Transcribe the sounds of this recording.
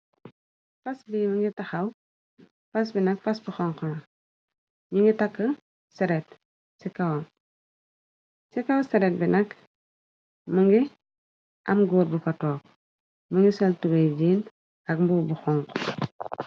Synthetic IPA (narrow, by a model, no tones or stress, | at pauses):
fɐsbiməŋɡitɐxɐw | fɐsbinɐk̚fɐsbuxɔŋkɔnɐ | ɲiŋɡitɐkːə | sɛɾɛt | sikɐwɐn | sikɐwsɛɾɛt̚binɐk | məŋɡi | ʔɐmɡoːt̚bufɐtɔːk̚ | məŋɡisɐltubed͡ʒiːn | ɐkmbubuxɔŋk